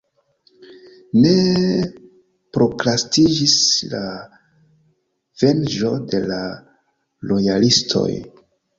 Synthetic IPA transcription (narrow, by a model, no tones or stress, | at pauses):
ne̞ | pɾo̞klastid͡ʒisla | v̥e̞nd͡ʒo̞de̞la | lo̞jalistʰo̞̰j